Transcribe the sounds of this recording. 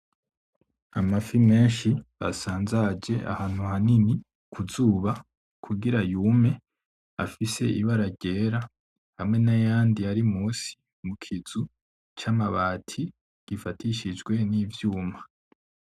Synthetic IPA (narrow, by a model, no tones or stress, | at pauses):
amafime̞ːnʃiβa̰saːnzad͡ʒe̞ʔa̰haːn̥huhanini | kʰuzuːβa | kʰuɡiɾajuːme̞ | a̰fise̞iβaɾaɾɟe̞ːɾa | hamŋe̞najaːndiaɾimuːsi̥ | mukʰiz̥u | t͡ʃamaβaːtʰi | ɡ̥ifatiʃid͡ʒɡwe̞niːvjuːma